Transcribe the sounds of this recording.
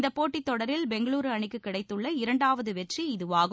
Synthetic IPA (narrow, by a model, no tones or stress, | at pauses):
nd̪ɐpːoːʈːit̪ːɔɽɐɾɪlbɛŋɡɐɭuːɾɯɐɳɪkːɯkːɪɽɐɪt̪ːɯɭːɐɪɾɐɳɖaːʋɐðɯʋɛʈriɪðɯʋaːɣɐ